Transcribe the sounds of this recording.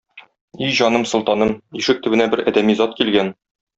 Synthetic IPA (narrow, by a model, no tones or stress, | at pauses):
iʑɒnɤmsŏlˠt̪ɑnɤmiʃɘk̚t̪ɘ̆bɘ̆næbɘɾæd̪æmizɒt̪̚kilɡæn